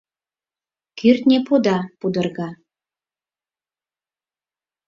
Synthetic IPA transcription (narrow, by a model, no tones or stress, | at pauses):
kʰyrt̪nʲepud̪ɑpud̪ərɣɑ